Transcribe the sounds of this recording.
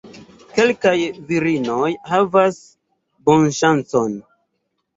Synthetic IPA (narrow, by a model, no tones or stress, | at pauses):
ke̞lkajviɾino̞jhavas | bo̞nʃant͡so̞n